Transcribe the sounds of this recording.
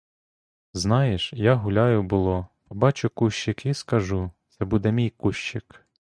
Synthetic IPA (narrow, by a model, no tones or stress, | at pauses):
znɑjeʃjaɦʊlʲɑjʊbʊlˠɔpɔbɑt͡ʃʊkuʃʲt͡ʃːɪkiskɐʒut̪sɛbud̪ɛmʲijkuʃt͡ʃɪk